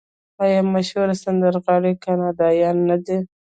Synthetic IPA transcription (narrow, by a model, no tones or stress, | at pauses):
ɑjamːaʃhuɾasand̪aɾɣɑɽekanɑd̪ɑjɑnːad̪e